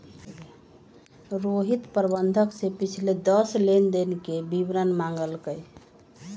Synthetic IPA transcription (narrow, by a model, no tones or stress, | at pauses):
ɾoɦit̪pəɾbənd̪ʱəksepit͡ʃʰled̪əslend̪enkebibɾənmaŋɡəlkəj